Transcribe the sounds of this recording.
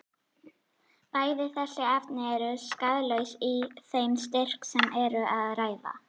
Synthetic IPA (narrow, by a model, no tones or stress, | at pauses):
paːjðɪθɛsɪaft̪nɪɛɾʏskaðlœɥsiθejmst̪ɪr̥ksɛmʔɛɾʏʔaðraːjða̰